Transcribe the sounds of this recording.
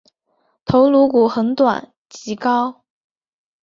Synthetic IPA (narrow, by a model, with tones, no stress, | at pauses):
t̪ʰo˧˥ʊlu˧˥ku˨˩xə˧˥nt̪wa̰˨˩˦n | t͡ɕi˧˥kɑ˥ʊ